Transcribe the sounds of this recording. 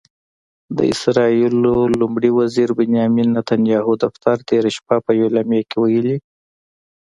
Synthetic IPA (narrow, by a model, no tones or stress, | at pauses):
d̪ə̰ɪ̰sɾɑilolʊmɽiwaziɾbɪnjɑminːat̪anjɑɦud̪aft̪aɾt̪eɾaʃpapəjwelamjakewajəli